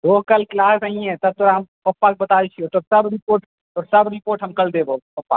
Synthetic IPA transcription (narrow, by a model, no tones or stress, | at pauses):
d̪oɦkɐlklaːsəĩɛ̃t̪ɐb̚t̪oːɾaɦɐmpɐpːak̚bɐt̪aːlet͡ʃʰiot̪oːɾsɐbɾɪpoːɾʈ | t̪oːɾsɐbɾɪpoːɾʈɦɐmkɐld̪eːboːpɐpːa̰ː